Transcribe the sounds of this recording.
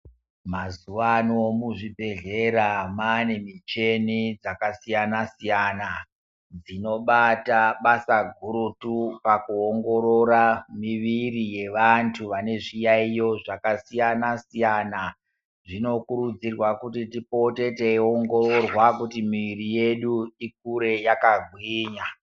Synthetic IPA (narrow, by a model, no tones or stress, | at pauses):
mazuʋanomuʐibʱe̞ɮe̞ɾamanemit͡ʃenid͡zakasijanasijana | d͡zino̞ɓataɓasaɡʱuɾutupakuoŋɡo̞ɾoɾamiʋirije̞ʋantʰuʋane̞ʐijaijo̞ʐakasijanasijana | ʐino̞kuɾud͡zirwakutitipo̞te̞teoŋɡo̞ro̞rwakutimiʋirije̞ɗuik̚uɾe̞jakaɡʱwiːɲa